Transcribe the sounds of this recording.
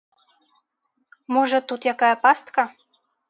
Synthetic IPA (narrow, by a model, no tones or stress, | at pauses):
moʒɤ̆t̪ut̪jɑkɑjəpɑst̪kɑ